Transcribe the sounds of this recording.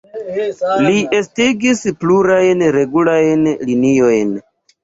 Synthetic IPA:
liʔe̞stiɡispluɾajnɾe̞ɡulajnlinio̞jn

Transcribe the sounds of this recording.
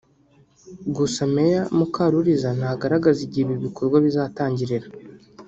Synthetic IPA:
ɡusamejamukaɾuɾizanaɡaɾaɡaziɟiβiβikʰo̞ɾɡwaβizaːtaːɲɟiɾeɾa

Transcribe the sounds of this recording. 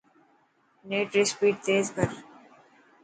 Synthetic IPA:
neːʈɾɪspiːʈ̚t̪eːzɡəɾ

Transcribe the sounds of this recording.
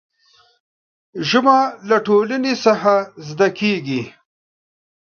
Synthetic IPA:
ʒʊmalaʈoːlanesaxazd̪akeɡi

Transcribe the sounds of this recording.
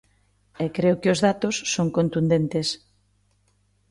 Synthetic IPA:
ɛkɾeʊkɪʊzðat̪osːoŋkont̪und̪ent̪es

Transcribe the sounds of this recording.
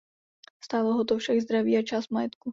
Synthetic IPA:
st̪aːloɦot̪̬ofʃaɡzd̪ɾaviːat͡ʃaːst̪̚majɛt̪ku

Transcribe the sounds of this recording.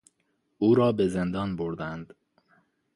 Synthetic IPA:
uːɾɒːbezend̪ɒːnboɾd̪ænd̪̥

